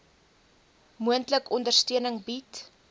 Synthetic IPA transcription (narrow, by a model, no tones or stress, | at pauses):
muəntləkɔndərstyənəŋbit